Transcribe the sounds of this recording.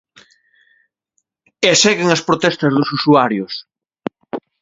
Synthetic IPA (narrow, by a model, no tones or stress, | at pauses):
esɛɣeŋɐspɾot̪ɛst̪ɐzðʊsusuaɾjʊs